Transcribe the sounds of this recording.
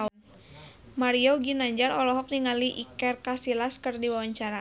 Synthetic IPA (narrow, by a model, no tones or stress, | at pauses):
an | maɾioɡinaɲd͡ʒaɾɔlɔɦɔk̚niŋaliʔikɛrkasilaskɨrdiwawaɲt͡ʃaɾa